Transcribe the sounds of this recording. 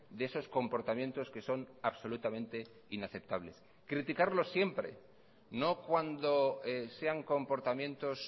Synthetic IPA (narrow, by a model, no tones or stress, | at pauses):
d̪eeso̞sko̞mpo̞ɾt̪amjẽ̞nt̪o̞ske̞so̞naβso̞lut̪amẽ̞nt̪e̞ | inaθe̞p̚t̪aβle̞s | kɾit̪ikaɾlo̞sje̞mpɾe̞̰ | no̞kwand̪oese̞aŋko̞mpo̞ɾt̪amjẽ̞nt̪o̞s